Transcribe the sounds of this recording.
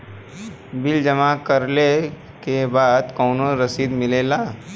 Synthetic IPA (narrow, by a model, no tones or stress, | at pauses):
bɪld͡ʒɐmakɐɾle | kebaːd̪kɔːnoɾɐsiːd̪mɪleːlaː